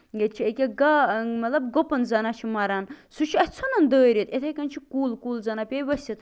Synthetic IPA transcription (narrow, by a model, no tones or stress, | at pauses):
jet̪t͡ʃʰiekʲaɡamɐt̪lɐbɡopɐnzɐnat͡ʃʰimɐɾansut͡ʃʰiɐsʲt͡sʰonɐnd̪əːɾit̪et̪ʰekɐnt͡ʃʰikuːlkuːlzɐnapʲeʋɐsʲit̪